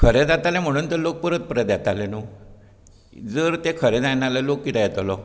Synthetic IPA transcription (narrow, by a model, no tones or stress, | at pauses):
kʰəɾed͡zat̪alɛm̤əɽ̃uːnt̪əɾlok̚pəɾət̪̚pəɾed̪jat̪alenu | d͡zəɾt̪ekʰəɾɛd͡zajnaləlokːit̪ajɛt̪əlɔ